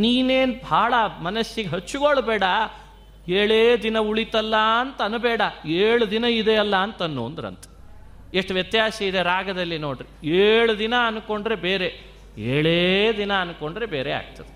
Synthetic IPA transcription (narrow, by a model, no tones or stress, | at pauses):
niːneːnbʱaːɭɐmɐnɐʃjiɡeɦɐt͡ʃːuɡoɭbɛːɽɐ | eːɭeːd̪inɐuɭit̪ɐlːɐɐnt̪ɐɐnubɛːɽɐeːɭud̪inɐid̪eɐlːɐːnt̪ɐnːo̰ːnd̪ɾɐ̰nt̪ɐ̥ | eʂʈʋjɐt̪jaːsɐid̪eɾaːɡɐd̪ɐlːinoːɽɾieːɭud̪inɐɐnuko̞ɳɖɾe̞beːɾe | eːɭed̪inɐːnko̞ɳɖɾe̞beːɾea̰ːɡ̚t̪ɐd̪e